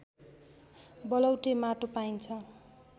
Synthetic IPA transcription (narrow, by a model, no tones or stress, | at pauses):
bʌlʌwʈemaʈopajnt͡sʰʌ